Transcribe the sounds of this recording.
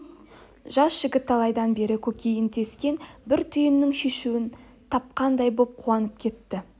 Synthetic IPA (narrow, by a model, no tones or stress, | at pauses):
ʒɑsʒ̥ɪɡʲɪt̪ːɑlˠɑjd̪ɑnbe̞ɾɪkʲʰɵkʲʰe̞jɪnt̪ʰe̞skʲe̞nbɪɾt̪ʰʏjɪnːɪŋʃe̞ʃuwɪn | t̪ʰɑp̚qɑnd̪ɑjbo̞p̚qʰuɑnəp̚kʲʰe̞t̪ːɪ